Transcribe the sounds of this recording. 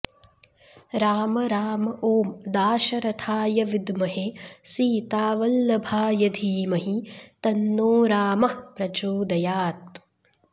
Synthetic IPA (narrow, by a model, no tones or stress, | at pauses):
ɾaːmɐɾaːmɐʔoːmd̪aːʃɐɾɐt̪ʰaːjɐʋid̪mɐɦesiːt̪aːʋɐlːɐbʱaːjɐd̪ʱiːmɐɦit̪ɐnːoːɾaːmɐhpɾɐd͡ʒoːd̪ɐjaːt̪